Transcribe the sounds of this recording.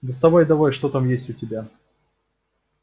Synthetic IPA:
d̪ɪst̪ɐbojd̪ɐvojʂt̪ot̪amjesʲtʲʊtʲɪbʲa

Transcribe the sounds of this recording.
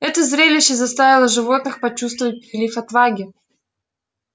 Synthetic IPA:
ɛt̪əzɾʲelʲɪɕːɪzɐst̪avʲɪlˠəʐɨvo̞t̪nɨxpɐt͡ɕust̪vəvət̚ʲpʲɪɾʲɪlʲifɐt̪vaɡʲɪ

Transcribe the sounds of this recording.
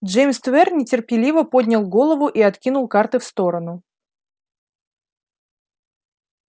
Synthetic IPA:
ʐejmst̪vʲɛrnʲɪtʲɪrpʲɪlʲivəpo̞d̪ʲnʲɪlˠɡo̞lˠəvʊʔiɐt̪kʲinʊlˠkart̪ɨfst̪o̞ɾənʊ

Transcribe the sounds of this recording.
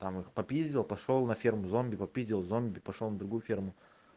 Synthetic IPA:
t̪amɨxpɐpʲizʲdʲɪlˠpɐʂolˠnɐfʲermʊzomʲbʲɪpɐpʲizʲd̪ʲɪlˠvzomʲbʲɪpɐʂolˠnəd̪ɾʊɡujʊfʲermʊ

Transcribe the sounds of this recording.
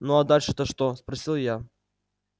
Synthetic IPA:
nuad̪alʲʂɨt̪əʂt̪ospɾɐsʲilˠja

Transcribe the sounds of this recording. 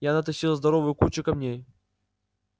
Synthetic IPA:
janat̪ɐɕilˠzd̪ɐɾovɨjʊkut͡ɕɪkɐmnʲej

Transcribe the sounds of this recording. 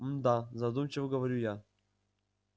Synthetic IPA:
md̪azɐd̪umt͡ɕɪvəɡəvɐɾʲuja

